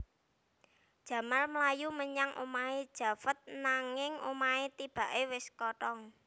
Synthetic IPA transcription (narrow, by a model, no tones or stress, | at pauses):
d̥ʒ̥ä̤marməlajuməɲaŋʔo̰maed̥ʒ̥ä̤fət̪̚naŋɪŋomaet̪ib̥a̤ʔewɪskɔʈɔŋ